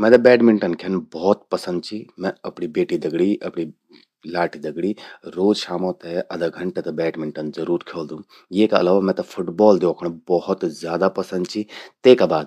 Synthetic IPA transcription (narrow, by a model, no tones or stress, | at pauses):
mɛ̃t̪ɐbɛːʈmɪɳʈənkʰɐnbɔɦt̪̚pɐsə̃nd̪t͡ʃʰimɛ̃ɐpɳibeːʈid̪ɐɡɽiʔɐpɳi | laːʈʰid̪ɐɡɽiɾoːd͡ʒʃaːmõt̪eʔɐd̪ɐɡʱɐɳʈet̪ɐbɛːʈmɪɳʈənzɐɾuːɾkʰoːld̪ũ | jeːkaɐ̰laːʋamɛ̃t̪ɐpʰʊʈbɔːld̪ekʰɐɽ̃bɔhʊt̪zjaːd̪apɐsə̃nd̪̚t͡ʃʰit̪eːkabaːd̪